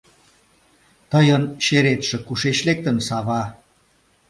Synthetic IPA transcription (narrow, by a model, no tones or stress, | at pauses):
t̪əjənʃeɾet̪ʃĕkuʃet͡ɕlek̚t̪ə̆nsɑβɑ